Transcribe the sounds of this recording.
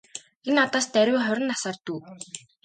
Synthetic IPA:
enat̪aːst̪æɾʲʊːχœɾʲɪ̆nːasaːrt̪uː

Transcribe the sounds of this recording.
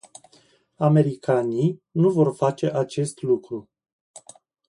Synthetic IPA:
ame̞ɾikaninuvo̞rfat͡ʃe̞ʔat͡ʃe̞st̪lukɾu

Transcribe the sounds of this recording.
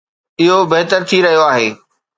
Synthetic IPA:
ɪɦobɐɦt̪əɾt̪ʰiɾɐɦijoaːɦeː

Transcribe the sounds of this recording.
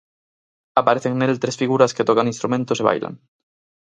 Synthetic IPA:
apaɾeθeŋnelt̪ɾesfiɣuɾasket̪okanĩnst̪ɾumẽnt̪oseβa̰jla̰ŋ

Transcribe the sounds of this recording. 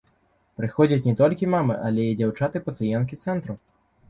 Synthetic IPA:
pɾɨxɔd͡zʲɐt͡sʲnʲɛt̪ɔlʲkʲimamɨ̰ʔɐlʲɛid͡zʲawt͡ʂat̪ɨpɐt̪sɨjɛnkʲit̪sɛnt̪ɾu

